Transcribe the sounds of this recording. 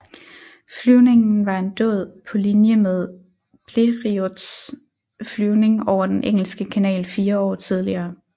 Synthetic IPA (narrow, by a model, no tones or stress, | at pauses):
flyʊne̝ŋn̩ʋɑ̈e̝nd̥ɔ̰ð̞̰ˠpʰɒ̽linjəmeð̞ˠ | pʰle̝ʁiod̥s | flyʊne̝ŋɒʊ̰ɐd̥enʔeŋ̰l̩sɡ̥əkʰænɛ̰ːlfiːɐɒ̰ːt͡sʰið̞ˠliɐː